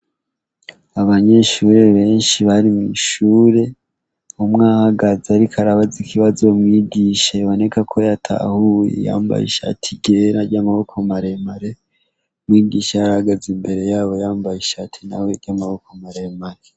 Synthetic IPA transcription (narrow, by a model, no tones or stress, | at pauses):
aβaɲe̞ʃuːɾe̞βe̞ːnʃiβaɾimiʃuːɾe̞ | umŋaːhaɡazaɾikʰaɾaβazikʰiβazo̞mŋiːɡiʃejβo̞ne̞kakʰo̞jatʰa̰hujḛja̰ːmba̰jḛʃa̰tʰiɡe̞ɾaɟamaβo̞kʰomaɾe̞maɾe | mŋiːɡiʃajaɾahaɡazimbe̞ɾe̞jaːβo̞jaːmbajeʃatʰina̰weɾɟamaβo̞komaɾemaɾe